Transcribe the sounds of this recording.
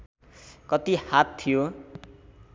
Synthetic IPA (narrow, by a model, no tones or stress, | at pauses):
kʌt̪ihat̪ʰːijo